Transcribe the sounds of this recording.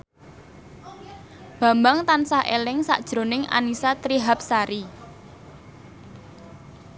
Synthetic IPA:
b̥ä̤mbaŋt̪ansahʔḛlɪŋsa̰ʔd̥ʒ̥ɾo̤nɪŋa̰nisat̪ɾiɦap̚saɾi

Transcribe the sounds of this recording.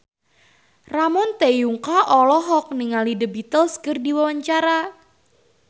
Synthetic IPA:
ramɔnt̪ejuŋkaʔɔlɔɦɔk̚niŋalidəbit̪əlskərdiwawaɲt͡ʃaɾa

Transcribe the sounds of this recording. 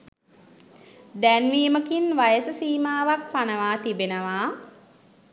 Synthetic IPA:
d̪ænʋiːməkinʋajəsəsiːmaːʋakpanəʋaːt̪ibenəʋaː

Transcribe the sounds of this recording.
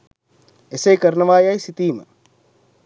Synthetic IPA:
esejkɐɾnɐʋaːjajsit̪iːmə̰

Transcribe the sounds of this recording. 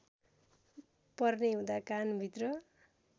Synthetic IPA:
pʌrneɦũd̪akanbʱit̪rʌ

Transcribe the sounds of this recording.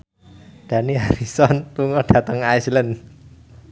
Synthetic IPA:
d̥a̤niaɾisɔnt̪uŋɔɖ̥ä̤t̪əŋajslən

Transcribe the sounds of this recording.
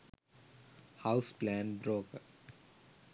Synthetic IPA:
haʊsplæ̃ːnbɾoːkə

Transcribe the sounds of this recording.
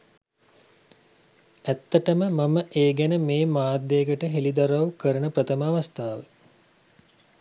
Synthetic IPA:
æt̪ːəʈəməmaməʔeːɡænəmeːmaːd̪ːeːɡəʈəɦelid̪aɾawkəɾənəprət̪əmaːʋast̪aːʋə

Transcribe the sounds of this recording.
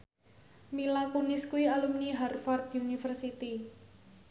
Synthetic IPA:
milakunɪskuialumniɦarfard̪unifərsit̪i

